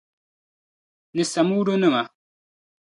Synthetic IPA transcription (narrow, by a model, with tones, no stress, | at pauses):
nɪ˨sa˨muː˦do˦ne˦˨ma˨